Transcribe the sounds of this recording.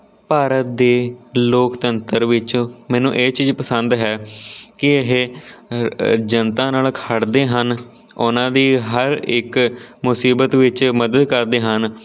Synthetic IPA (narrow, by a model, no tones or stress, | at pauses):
paːɾət̪̚d̪eːloːkt̪ənt̪əɾʋɪt͡ʃːmɛːnũːʔeːt͡ʃiːd͡ʒpəsənd̪ɦɛːkɪəɦeː | d͡ʒənt̪ãːnaːlkʰəɽd̪eːɦən | ʊnãːd̪iːɦəɾɪkmʊsiːbət̪ʋɪt͡ʃməd̪əd̪kəɾd̪eːɦən